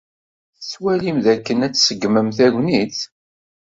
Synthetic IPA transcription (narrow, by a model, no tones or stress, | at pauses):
θswælimðækːənæt͡sːsəɡməmθæʝʷniθ